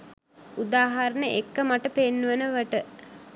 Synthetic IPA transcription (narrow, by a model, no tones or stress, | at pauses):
ud̪aːɦaɾənəʔekːəmaʈəpenːuʋənəʋəʈə